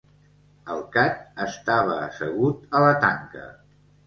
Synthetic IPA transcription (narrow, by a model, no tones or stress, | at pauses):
əlˠkat̪əst̪aβ̞əːsəɣ̞ut̪ələt̪aŋkə̰